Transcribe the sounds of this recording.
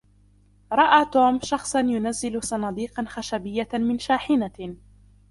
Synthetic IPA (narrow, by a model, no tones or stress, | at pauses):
ɾˤɑʔaːt̪oːmʃɑxsˤɑnjʊnazːɪlʊsˤɑnɑːd̪iːqɑnxaʃabɪjːamɪnʃaːħɪna